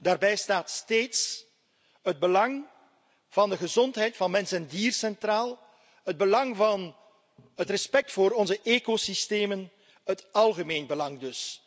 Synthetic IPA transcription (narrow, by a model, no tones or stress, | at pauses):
daːrbɛjstaːtsteːts | ɦəd̚bəlɑŋ | v̥ɑndəɣəzɔntɦɛjtfɑnmɛnsəndiːrsɛntraːlˠ | həd̚bəlɑŋvɑn | ɦətrɛspɛk̚tfoːɾɔnzəʔeːkosisteːmən | hətɑlˠɣəmeːnbəlɑŋdɵs